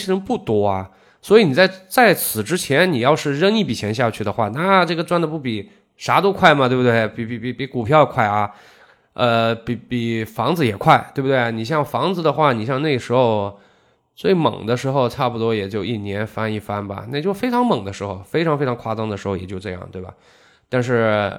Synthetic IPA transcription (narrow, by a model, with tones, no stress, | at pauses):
ɻə˧˥pu˥˩t̪wɔ˥ɐ˧ | swɔ˧˥i˧˩ni˨˩t͡sa˥˩ɪt͡sa˥˩ɪt͡sʰɹ̩˨˩ʈ͡ʂɻ̩˥t͡ɕʰjɛ˧˥nni˨˩jɑ˥˧ʊʂɻ̩˥˧ɻə˥ni˥˩pi˨˩t͡ɕʰjɛ˧˥nɕ̬ja˥˧t͡ɕʰy˥˩d̪ə˩xwa̰˥˩na˥ʈ͡ʂɤ˥˩ɡə˩ʈ͡ʂwa˥nd̪ə˧pu˥˩pi˨˩ | ʂa˧˥t̪o˥ʊkʰwa˥˩ɪmɐ˩t̪we˥˧bt̪we˥˩ɪpi˨˩pi˨˩pi˨˧˩pi˧˥ku˨˩pʰjjɛ˨˩kʰwa˥˩ɪɐ˩ | ə˧pi˧˩pi˨˩fɑ˧˥ŋd͡zɹ̩˧jɛ˨˩kʰwa˥˩ɪt̪we˥˧bu˩d̪we˥˩ɪni˨˩ɕ̬jɑ˥˩ŋfɑ˧˥ŋd͡zɹ̩˧d̪ə˩xwa˥˩ni˨˩ɕjɑ˥˧ŋne˥˩ɪə˩ʂɻ̩˧˥xo˧ʊ | t͡swe˥˩ɪmɤ̰˨˩ŋd̪ə˦ʂɻ̩˧˥xo˧ʊʈ͡ʂʰa˥˩pu˩t̪wɔ˥jɛ˨˩t͡ɕjo˥˧ʊi˥˩njɛ˧˥nfa˥ni˥˩fa˥nbɐ̰˨na˥˩t͡ɕjo˥˩ʊfe˥ɪʈ͡ʂʰɑ˧˥ŋmɤ˨˩ŋd̪ə˦ʂɻ̩˧˥xo˥˧ʊfe˥ɪʈ͡ʂʰɑ˧˥ŋfe˥ɪ˧˥ŋkʰwa˥t͡sɑ˥ŋd̪əʂɻ̩˧˥xo˧˩jɛ˨˩t͡ɕjo˥˧ʊʈ͡ʂɤ˥˧jɑ̰˥˩ŋt̪we˥˩ɪbɐ̰˩ | t̪a˥˧nʂ̬ɻ̩˥˩